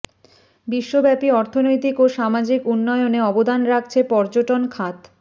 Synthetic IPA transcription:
biʃːobɛpiɔɾt̪ʰonojt̪ikoʃamad͡ʑikunːɔeoneɔbod̪anɾak̚t͡ɕʰepɔɾd͡ʑoʈonkʰat̪

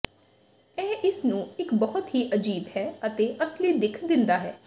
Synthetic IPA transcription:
ɛːʔɪsnũːɪkbɔɦʊt̪ɦiːʔəd͡ʒiːbɦɛːət̪eːʔəsliːd̪ɪkʰd̪ɪ̃nd̪aːɦɛ̰ː

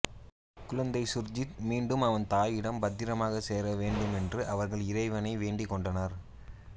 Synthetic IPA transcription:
kʊɻɐnd̪ɐɪsʊɾd͡ʒɪtmiːɳɖɯmɐʋɐnt̪aːjɪɽɐmbɐd̪ːɪɾɐmaːɣɐseːɾɐʋeːɳɖɯmɛndrɯʔɐʋɐɾɣɐɭɪɾɐɪʋɐnɐɪʋeːɳɖɪkːɔɳɖɐnɐɾ

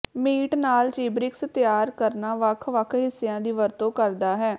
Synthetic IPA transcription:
miːʈnaːlt͡ʃiːbɾɪkst̪jaːɾkəɾnaːʋəkʰʋəkʰɦɪsːejãːd̪iːʋəɾt̪õːkəɾd̪aːɦɛː

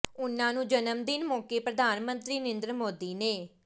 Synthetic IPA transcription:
ʊnːãːnũːd͡ʒənəmd̪ɪnmoːkeːpɾəd̪aːnmə̃nt̪ɾiːnẽnd̪ɾəmoːd̪iːneː

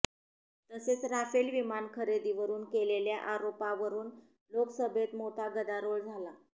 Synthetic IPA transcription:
t̪əset͡sɾafelʋimankʰəɾed̪iːʋəɾuːnkeleljaʔaɾopaʋəɾuːn | loksəbʱet̪mot̪ʰaɡəd̪aɾoɭd͡zʱala

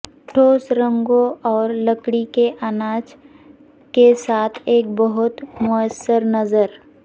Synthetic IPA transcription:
ʈʰoːsɾə̃ŋɡõɔːɾləkɽikeʔanaːd͡ʒ | kesaːt̪ʰeːk̚bəɦʊt̪mʊəsːəɾnɐzəɾ

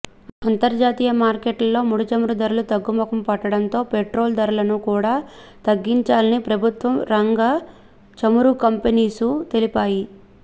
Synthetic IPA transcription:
ɐnt̪ɐɾd͡ʒaːt̪iːjɐmaːɾkeːʈlɐlːo̞ːmuɽut͡ʃɐmuɾud̪ɐɾulut̪ɐɡːumɐkɐmpɐʈːɐɽɐnt̪o̞ːpeʈɾo̞ːld̪ɐɾɐlɐnukuːɽaːt̪ɐɡːiɲt͡ʃaːlɐnipɾɐbʱut̪ʋɐmɾɐŋɡɐ | t͡ʃɐmuɾukɐmpeniːsut̪e̞lipaːji

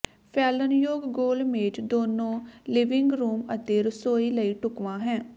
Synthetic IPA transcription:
pʰɛːlənjoːɡːoːlmẽːd͡ʒd̪oːnõːlɪʋɪŋɡɾuːmət̪eːɾəsoːiːləiːʈʊkʋãːɦɛ̃ː

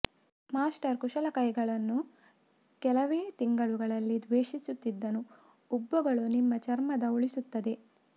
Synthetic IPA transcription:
maːsʈɐɾkuʂɐlɐkɐjɡɐɭɐnːu | kɛlɐʋeːt̪iŋɡɐɭuɡɐɭɐlːid̪ʋeːʃisut̪ːid̪ːɐnuː | bːɐɡɐɭunimːɐt͡ʃɐɾmɐd̪ɐuɭisut̪ːɐd̪e̞

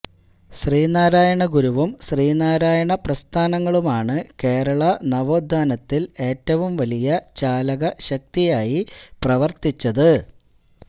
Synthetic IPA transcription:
ɕriːnaːɾaːjɐɳɐɡuɾuʋumɕriːnaːɾaːjɐɳɐprɐst̪ʰaːnɐŋːɐɭumaːɳɨke̞ːɾɐɭɐnɐʋoːd̪ʱːaːnɐt̪ːile̞ːtːɐʋumʋɐlijɐt͡ɕaːlɐɣɐɕɐk̚t̪ijaːjiprɐʋɐrt̪it͡ɕːɐðɨ

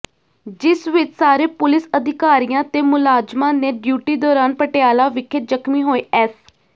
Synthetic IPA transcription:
d͡ʒɪsʋɪt͡ʃsaːɾeːpʊlɪsəd̪ɪkaːɾijãːt̪eːmʊlaːd͡ʒmãːneːɖjuːʈiːd̪ɔːɾaːnpəʈeaːlaːʋɪkʰɪt̪̚d͡ʒəkʰmiːɦoːeːʔɛːs

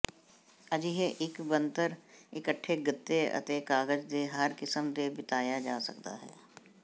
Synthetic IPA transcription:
ɐd͡ʒiɦeʔɪkbə̃nt̪əɾɪkəʈʰːeɡɪt̪ːeɐ̰t̪ekaːɡəd͡ʒd̪eɦəɾkɪsəmd̪ebɪt̪aːjad͡ʒaːsɐ̰kt̪a̰ɦɛ̰ː

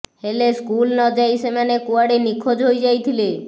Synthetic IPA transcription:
heleskulnɔd͡ʑajsemanekuaɽenikʰːod͡ʑɦojd͡ʑajt̪ʰile

